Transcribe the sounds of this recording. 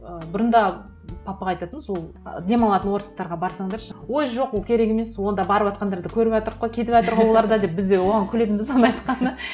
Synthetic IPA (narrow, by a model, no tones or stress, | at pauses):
əbʊɾənd̪ɑ | pʰɑpɑɑjt̪ɑt̪əməzwo̞lˠd̪e̞mɑlˠɑt̪ənwo̞ɾt̪ɑ̥qt̪ɑɾʁɑbɑɾsɑŋd̪ɑɾʃəwo̞jʒo̞qwolˠkʲʰe̞ɾe̞ɡʲe̞me̞swo̞nd̪ɑbɑɾəpwɑt̪̚qɑnd̪ɑɾd̪əkʲʰɵɾɪpʒɑt̪əɾqːojkʲʰe̞t̪ɪpʒɑt̪əɾʁɑwolˠɑɾd̪ɑd̪e̞p̚bɪzd̪ewo̞ʁɑŋkʲʰɵle̞t̪nbɪzɑnɑjt̪qɑnə